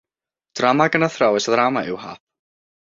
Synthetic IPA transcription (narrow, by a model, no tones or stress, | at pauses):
t̪ɾaːmakanːaθɾaːwɛsaðɾaːmaɪwɦa̰ːf